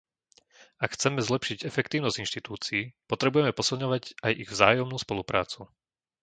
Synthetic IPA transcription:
akxt͡sɛmɛzlɛpʃiɟɛfɛkt̪iːʊnɔzɟinʃt̪it̪uːt͡siiːpɔt̪ɾɛbujɛmɛpɔsilˠɲɔʋaɟajʔiɣvzaːjɔmnuːspɔlupɾʔa̰ːt͡su

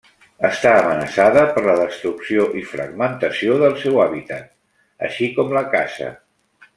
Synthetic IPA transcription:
əst̪aəmənəsaðəpəɾləðəst̪ɾuksioʔifɾə̰ɡmənt̪əsioðəlˠsɛwaβit̪at̪̚ | ə̰ʃikɔmləkasə̰

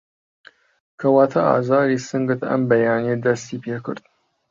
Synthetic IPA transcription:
kʰɐwɑːt̪ʰɐɑ̰ːzɑːɾisɨŋɡɨt̪ɐ̰mbɐjɑːnied̪ɐst̪iːpʰeːkʰɨ̰ɾd̪̥

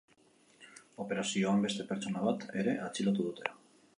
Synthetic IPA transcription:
o̞pe̞ɾasio̞ambe̞st̪e̞pe̞ɾt͡so̞naβ̞at̪e̞ɾe̞ʔat͡silot̪̬uðut̪e̞la

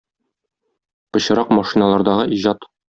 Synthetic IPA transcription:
bɤ̆ɕɤ̆ɾɑqmɑʃinalˠɑɾd̪ɑʁɤʔiʑɑt̪

